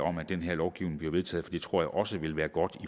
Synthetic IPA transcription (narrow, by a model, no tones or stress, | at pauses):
ɒ̽m̰æd̥enɦeɐlɒʊɡ̥iʊne̝ŋb̥le̝ʊʋet͡sʰɛ̰ːð̩ˠfɒ̥d̥iːd̥t͡sʰʁo̝ɐ̰jaɪʔɒ̽səʋe̝lʋæːɐɡ̥ɒ̽d̥i